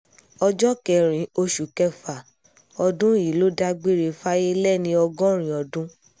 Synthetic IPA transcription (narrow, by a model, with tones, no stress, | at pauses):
ɔ˧d͡ʒɔ˦kɛ˨ɾ̃ĩ˨o˧ʃu˨kɛ˧˦fa˨ | ɔ˧dũ˦i˨lo˦da˧ɡ͡be˦ɾe˧fa˦je˦lɛ˦˨nĩ˧˦ɔ˧ɡɔ̃˦ɾ̃ĩ˨ɔ˨dũ˦